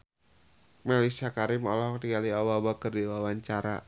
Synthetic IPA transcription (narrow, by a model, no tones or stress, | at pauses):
malisakaɾɪmɔlɔhktiɡaliawabakərdiwawaɲt͡ʃaɾa